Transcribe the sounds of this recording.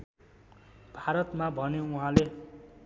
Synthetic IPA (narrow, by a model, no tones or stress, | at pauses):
b̥ʱaɾʌt̪mabʱʌneuɦãle